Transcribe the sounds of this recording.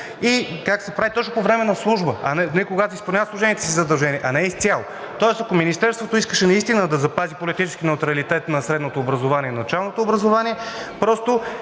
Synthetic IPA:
ikaksɛpɾavit̪ɔt͡ʃnopovɾɛmɛnɐslˠuʒbəɐ̰nɛnɛkoɡat̪oispɐlˠnʲavəslˠuʒɛnijət̪sizɐd̪ɐlˠʒɛnʲiɛʔɐnɛist̪sʲalˠo | t̪ɔɛsɐkominist̪ɛɾst̪vot̪oiskəʃɛnɐist̪inəd̪ɐzɐpazipolit̪it͡ʃɛskʲinɛut̪ɾɐlit̪ɛt̪nɐsɾɛd̪not̪oːbɾɐzovanʲiɛnɐt͡ʃalˠnot̪oːbɾɐzovaniɛpɾɔst̪o

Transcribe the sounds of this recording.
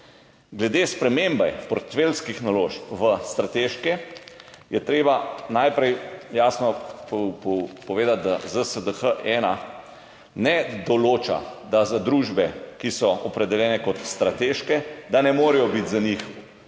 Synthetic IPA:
ɡlɛd̪espɾɛmembɛjpɔɾt̪felskixnaloːʃpʋəst̪ɾat̪eːʃkɛ | jɛt̪ɾeːbanajpɾɛjjaːsnɔpppɔʋeːd̪at̪̚d̪azəsəd̪əxəʔɛːna | nɛd̪ɔloːt͡ʃa̰d̪azad̪ɾuʒbɛkisɔɔpɾɛd̪ɛljɛːnɛkɔt̪st̪ɾat̪eʃkɛd̪anɛmoːɾɛjɔbit̪zanixu

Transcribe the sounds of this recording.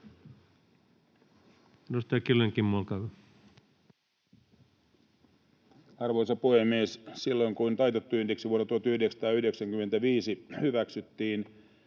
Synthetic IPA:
dust̪ɑjɑkilːeŋkimːuolkɑʋ | ɑrʋo̞jsɑpuhemːiessilːo̞jŋkuint̪ɑjt̪et̪ːuyndeksiʋuonːɑt̪uhɑt̪yhdeksɑ̥t̪ɑːyhde̞ksæŋkymːent̪æʋiːsihyʋæksyt̪ːiːn

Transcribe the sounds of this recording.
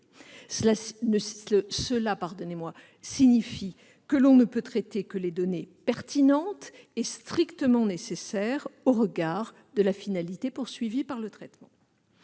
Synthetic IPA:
səlanəsəlapaʁd̪ɔnemwa | siɲifi | kəlɔ̃nəpøt̪χɛt̪ekəled̪ɔnepɛʁt̪inɑ̃t̪ | est̪χikt̪əmɑ̃nesesɛʁoʁəɡaʁ | d̪əlafinalit̪epuʁsɥivipaʁlət̪χɛt̪mɑ̰̃

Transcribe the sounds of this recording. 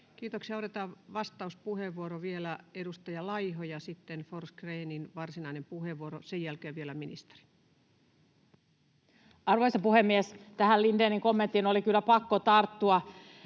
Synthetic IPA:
kiːt̪oksiɑot̪et̪ɑʋʋɑst̪ɑuspuheʋʋuoɾoʋielæedust̪ɑjɑlɑjhojɑsit̪ːenforskreːninʋɑrsinɑinempuheʋːuoɾosejjælkeːʋʋielæminist̪e̥ri̥ | ɑrʋoisɑpuhemːiest̪æhælindeːniŋkomːent̪ːˑinolikylːæpɑkːot̪ɑrt̪ːuɑ

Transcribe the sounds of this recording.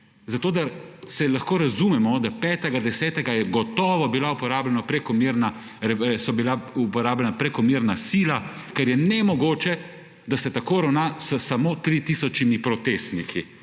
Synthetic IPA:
zat̪oːd̪aɾsɛlaxkoːɾazumɛmɔd̪apɛːt̪ɛɡad̪ɛsɛːt̪ɛɡajɛɡɔt̪ɔːʋɔbilaupɔɾaːblɛnapɾɛkɔmiɾna | ɾsɔbilaupɔɾaːblɛnapɾɛkɔmiɾnasiːlakɛɾjɛnɛmɔɡoːt͡ʃɛ | d̪asɛt̪akoːɾawnaːssamoːt̪ɾit̪iːsɔt͡ʃimipɾɔt̪est̪nikʰi

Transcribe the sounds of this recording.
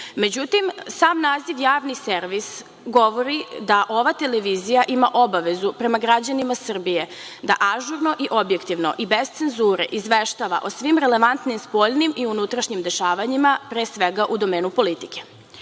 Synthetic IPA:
me̞d͡ʑut̪imsaːmnaːziʋjaːʋnise̞ɾʋis | ɡo̞ʋoɾid̪aʔo̞ʋat̪e̞leʋizijaʔimaʔo̞baʋe̞zupɾe̞maɡɾad͡ʑanimasr̩bije̞d̪aʔaʒuɾno̞ʔiʔo̞bjekt̪iʋno̞̰ʔibe̞z̥t̪se̞nzuːɾḛʔizʋeʃt̪aʋa̰ʔosʋimɾele̞ʋant̪nimspo̞ʎnimʔiunut̪ɾaʃɲimd̪e̞ʃaːʋaɲimapɾeːsʋeɡaʔud̪o̞meːnupo̞lit̪i̥ke

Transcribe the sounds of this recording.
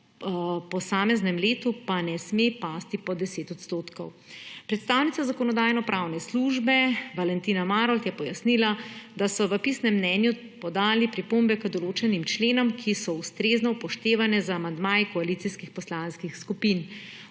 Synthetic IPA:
pɔsaːmɛznɛmleːt̪upanɛsmepast̪ipɔd̪ɛseːt̪ɔt̪st̪oːt̪kɔw | pɾɛt̪st̪aːwnit̪sazakɔnɔd̪aːjnɔpɾʔawnɛsluːʒbɛʋalɛnt̪iːnamaːɾɔlt̪jɛpɔjasnilad̪asɔʋəpisnɛmːnɛnju | pɔd̪aːlipɾipombɛkəd̪ɔloːt͡ʃɛnimt͡ʃleːnɔmkʰisɔust̪ɾeːznɔpɔʃt̪eːʋanɛzaːmand̪maːjikɔaliːt̪siskixpɔslanskixskupin

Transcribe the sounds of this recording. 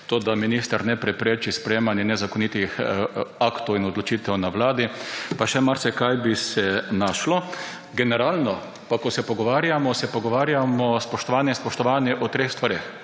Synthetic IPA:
t̪oːd̪aminist̪aɾnɛpɾɛpɾeːt͡ʃispɾɛjeːmanjɛnɛzakɔnit̪ixakt̪ɔwinɔd̪lɔt͡ʃit̪ɛwnaʋlaːd̪ipaʃɛmaɾsɛkajbisɛnaʃlɔ | ɡɛnɛɾalnɔ | pakɔsɛpɔɡɔʋaːɾjamɔsɛpɔɡɔʋaːɾjamɔspɔʃt̪ɔʋaːnjɛnspɔʃt̪ɔʋaːnjɛʔɔt̪ɾeːxst̪ʋaɾeːx

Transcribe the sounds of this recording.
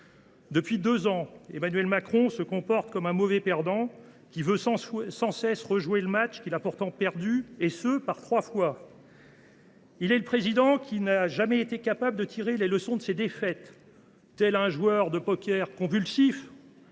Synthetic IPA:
d̪əpɥid̪øzɑ̃ḛmanɥɛlmakχɔ̃səkɔ̃pɔʁt̪kɔmɛ̃mɔvɛpɛʁd̪ɑ̃ | kʲivøssɑ̃sɛsʁəʒweləmat͡ʃkʲilapuʁt̪ɑ̃pɛʁd̪yesəpaʁt̪χwafwa | ilɛləpχezid̪ɑ̃kʲinaʒamɛet̪ekapabləd̪ət̪ʰiʁeleləsɔ̃d̪əsed̪efɛt̪ː | ɛlaɛ̃ʒwœʁd̪əpɔkʲɛʁkɔ̃vylsif

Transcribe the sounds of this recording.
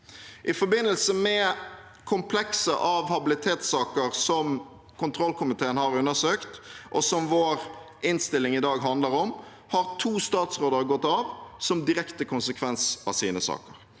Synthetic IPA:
ʔɪfɔbɪnːəlsəmɛ | kʰʊmpʰlɛksə̰ʔɑʋhɑbɪlɪt̪ʰeːt̪sɑːkəɾsɔm | kʰʊnt̪ʰɾɔlkʰʊmɪt̪ʰeːənhɑɾʉnːəsøːkt̪ʔɔsɔmʋoːɾ | ʔɪnst̪ɪlːɪŋɪd̪ɑːɡɦɑnd̪ləɾɔm | hɑʁt̪ʰuːst̪ɑːt̪sʁoːd̪əɾɡɔt̪ːɑʋsɔmd̪ɪɾɛkt̪əkʰʊnsəkʰʋɛnsɑ̰siːnəsɑ̰ːkəɾ

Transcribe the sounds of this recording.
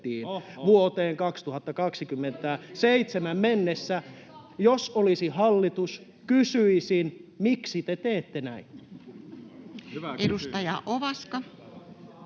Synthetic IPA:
iːnʋuot̪eːŋkɑkst̪uhɑt̪ːɑkɑksikymːent̪æseit̪semæmmenːesːæjosolisihɑlːit̪us | kysyisinmiksit̪et̪eːt̪ːenæin | edust̪ɑjɑʔoʋɑskɑ

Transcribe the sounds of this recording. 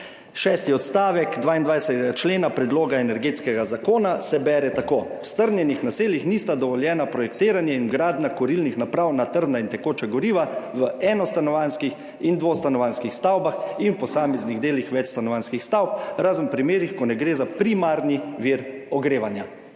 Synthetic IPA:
ʃɛːst̪iɔt̪st̪aːʋɛkd̪ʋaːind̪ʋajsɛt̪ɛɡat͡ʃleːnapɾɛd̪loːɡaɛnɛɾɡeːt̪skɛɡazakoːnasɛbɛɾɛt̪akoːwst̪əɾnjɛnixnaseːljixniːst̪ad̪ɔʋɔljɛːnapɾɔjɛkt̪eːɾanjɛinɡɾaːd̪nakɔɾilnixnapɾawnat̪əɾd̪naint̪ɛkoːt͡ʃɛɡɔɾiːʋaʋəɛːnɔst̪anɔʋanskix | ind̪ʋoːst̪anɔʋanskixst̪awbaxinwpɔsaːmɛzniɣd̪eːlixʋɛt͡ʃst̪anɔʋanskixst̪awp̚ɾaːzmpɾimeːɾixkɔnɛɡɾeːzapɾimaɾniʋiɾɔɡɾeːʋanja

